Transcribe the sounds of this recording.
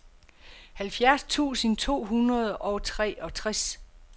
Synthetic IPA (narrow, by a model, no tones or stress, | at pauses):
hælfjæɐst͡sʰṵːsənt͡sʰo̝̰ːɦunɐð̞ˠʔɒʊt͡sʰʁɛ̰ːɒ̽t͡sʰʁas